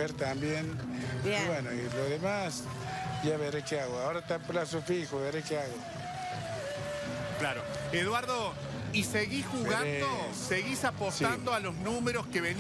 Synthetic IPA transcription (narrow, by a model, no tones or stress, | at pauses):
eɾt̪ambjen | wenoiloðemas | ʒaβeɾekeaɣoaoɾat̪aplasofixoβeɾekeaɣo | klaɾo | eðwaɾðo | iseɣisxuɣand̪o | seɣisapossand̪oalo̞znũmeɾoskeβen